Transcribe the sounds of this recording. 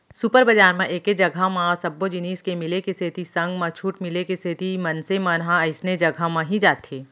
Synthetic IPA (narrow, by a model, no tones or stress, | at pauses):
supəɾbɐd͡ʒaːɾmãʔeːked͡ʒɐɡʱamãsɐbːod͡ʒɪniːskemɪlekeset̪isɐ̃ŋɡmãt͡ʃʰuːʈmɪlekeset̪imɐnsemãɾɦãɐɪsned͡ʒɐɡʱamãɦid͡ʒaːt̪ʰeː